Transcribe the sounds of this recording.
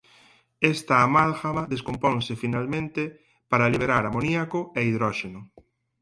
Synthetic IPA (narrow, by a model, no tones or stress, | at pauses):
est̪aːmalɣaβaðeskompõnsɪfinalmẽnt̪ɪ | paɾaliβ̞eɾaɾamoniakʊɛiðɾɔʃenʊ